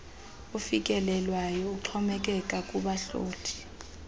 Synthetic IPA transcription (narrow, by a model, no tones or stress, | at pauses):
ufik̬ʼɛlɛlwajɔuǃʰɔmɛk̬ʼɛkʼakʼuɓaɬo̰ːtʰʼi̥